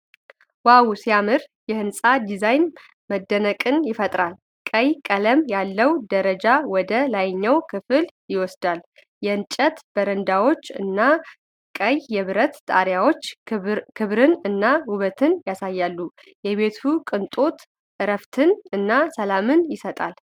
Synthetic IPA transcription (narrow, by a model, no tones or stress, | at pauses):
wawsijamɨɾjɛhɨnsʼad̪izajn | məd̪ːənəkʼɨnjɪfət̪ʼɾal | kʼəjkʼələmjalːəwd̪əɾəd͡ʒawɔd̪əlajɲːawkʰɨfɨljɪwɔsd̪al | jɛɨnt͡ʃʼət̪b̥əɾənd̪awo̞t͡ʃːɨ̰nːa | kʼəjjɛβɨɾət̪t̪ʼaɾjawo̞t͡ʃːkʰɨβɾɨnɨnːahuβət̪ʰɨnjasajːalːu | jɛβe̞t̪ʰukʼɨnt̪ʼo̞t̪ | ʔɨɾəft̪ʰɨnɨnːasəlamɨnjɪsət̪ʼa̰l